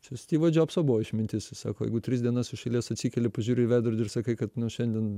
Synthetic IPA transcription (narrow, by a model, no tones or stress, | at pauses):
t͡ʃʲɛsʲt̪ʲiːʋɐd͡ʒʲoːpsoːbuʋoːɪʃmʲɪnʲt̪ʲɪssɑ̰ːkoːjɛ̰ɪɡʊt̪ʲɾʲɪsdʲiɛnɐsɪʃʲɛɪlʲiɛsɐtʲsʲiːkʲɛlʲɪpɐʒʲuːɾʲɪɪʋʲæːd̪ɐɾʲdʲɪrsɐkɐɪkɐt̪nʊʃʲɛnʲd̪ʲiɛn